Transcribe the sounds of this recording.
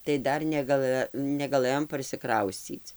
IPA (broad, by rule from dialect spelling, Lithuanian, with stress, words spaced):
tɐɪ ˈdɐr nʲɛɡɐˈlˠɘ nʲɛɡɐˈlˠɘjoːm pɐrʲsʲɪˈkrɐʊsʲt͡sʲiːt͡s